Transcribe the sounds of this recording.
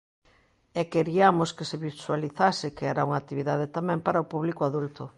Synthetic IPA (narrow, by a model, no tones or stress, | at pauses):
ɛkeɾiamoskeseβiswaliθasɪkeɛɾauŋat̪iβiðaðet̪amɛ̃mpaɾaopuβlikoaðult̪ʊ